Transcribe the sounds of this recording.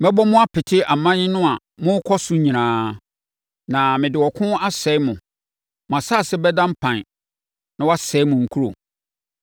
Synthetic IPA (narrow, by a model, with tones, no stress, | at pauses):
mɛ˦bɔ˦mʊ̃˦a˦pʰɪ˨tʰɪ˦a˨mã˦ɲɪ̃˦nʊ̃˦a˨ | mʊ̃˦kʰɔ˦sʊ˦ɲĩ˨nãː˦ | nã˨mɪ̃˨dɪ˨wɔ˨kʰʊ̃˦a˦sɛ˨˦mʊ̃˨ | m̃˨ã˨sa˦˨sɛ˦bɛ˦dã˦m̩˦pʰã˨n˨ | nã˦wɔ˦a˦sɛ˨˦mʊ̃˨ŋ̩˨kʰu˦ɾo̰˨